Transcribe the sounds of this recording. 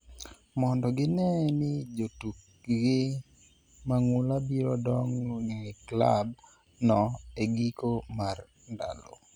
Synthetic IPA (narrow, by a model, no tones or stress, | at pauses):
mɔndɔɡɪnɛnɪd͡ʒotuk | ɡɪ | maŋʊlabiɾɔdɔŋneŋɛkla̰b | nɔeɡikomar | nda̰lo̰